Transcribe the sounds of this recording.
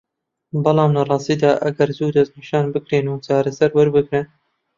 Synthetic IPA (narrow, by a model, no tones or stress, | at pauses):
bɑlɑːmlɐrˤɑːst̪iːd̪aːʔɐɡɐɾzuːd̪ɐzniːʃɑːnbɨkɾeːnut͡ʃaːɾɐsɐɾwɐɾbɨɡɾɨn